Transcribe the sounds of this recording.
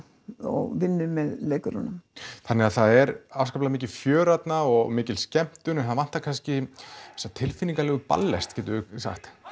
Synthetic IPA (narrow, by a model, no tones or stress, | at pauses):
ɔ̰ɣvɪnːʏmɛðleːjkʏɾʏnːʏmθanːɛaðθaðɛɾavskaplamɪːc̬ɪfjœːɾat̪naɔɣmɪːcɪlscɛm̥t̪ʏnɛnθaðvan̥t̪ːakʰanscɪɛsːat̪ʰɪlfɪnːiŋkalɛːɣʏpa̰lːɛ̰st̪cʰɛːt̪ʏsa̰xt̪